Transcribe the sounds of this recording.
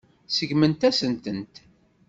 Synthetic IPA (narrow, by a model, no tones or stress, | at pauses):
səʝmənt̪æsənt̪ənt̪